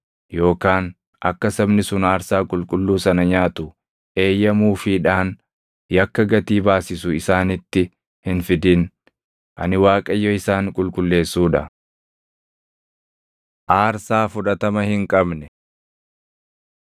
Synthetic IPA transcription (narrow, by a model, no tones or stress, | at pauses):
jo̞ːkaːn | ɐ̰kːɐsɐbnɪsʊnaːɾsaːkʼʊlkʼʊlːuːsɐnɐɲaːt̪ʊ | ʔe̞ːjːɐmuːfɪᶑaːn | jɐkːɐɡɐt̪iːbaːsɪsʊɪsaːnɪt̪ːɪ | hɪnfɪd̪ɪn | ʔɐ̰nɪwaːkʼɐjːɔɪsaːŋkʼʊlkʼʊlːe̞ːsːuːᶑɐ | ʔaːɾsaːfʊᶑɐt̪ɐmɐhɪŋkʼɐbnɛ